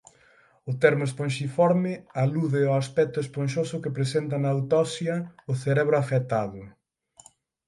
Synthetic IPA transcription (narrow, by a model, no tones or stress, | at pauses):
ʊt̪ɛɾmʊesponʃifɔɾmɪaluðɪoaspɛk̚t̪ʊespõnʃ̬osʊkepɾesent̪ɐnawt̪ɔsjɐʊθeɾɛβɾʊafet̪aðʊ